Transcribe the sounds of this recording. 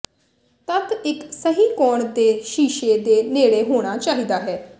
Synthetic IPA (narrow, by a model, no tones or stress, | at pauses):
t̪ət̪ɪksəɦiːkɔːɳd̪eːʃiːʃeːd̪eːneːɽeːɦoːɽ̃aːt͡ʃaːɦiːd̪aːɦɛː